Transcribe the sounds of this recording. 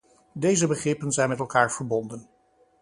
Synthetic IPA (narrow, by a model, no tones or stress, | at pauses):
dejzəbəχrɪpənzɛjnmɛtɛlˠkaːɹv̥əɹbɔndən